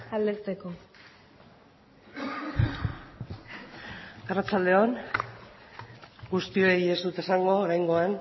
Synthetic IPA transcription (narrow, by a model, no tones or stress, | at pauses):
ald̪eɾt͡seko | arat͡ʃald̪e̞on | ɡust̪io̞ie̞zd̪ut̪e̞saŋɡo̞ːɾajŋɡo̞an